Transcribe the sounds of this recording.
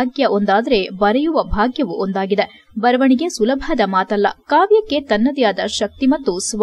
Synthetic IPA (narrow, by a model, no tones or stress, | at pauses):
ɡjɐʔo̞nd̪aːd̪ɐɾe̞bɐɾɛjuʋɐbʱaːɡjɐʋuʔond̪aːɡid̪e | bɐɾɐʋɐɳiɡe̞sulɐbʱɐd̪ɐmaːt̪ɐlːɐ̰kaːʋjɐkːe̞t̪ɐnːɐd̪ijaːd̪ɐʃɐk̚t̪imɐt̪ːusʋ